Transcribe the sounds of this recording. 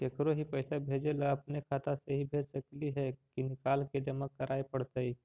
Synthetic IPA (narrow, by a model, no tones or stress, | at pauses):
kekɾoɦipəɪsabʱeːd͡ʒelaɐpnekʰaːt̪aseɦibʱeːd͡ʒsəkliɦɛkinɪkaːlked͡ʒəməkːəɾʔaːipəɽt̪ai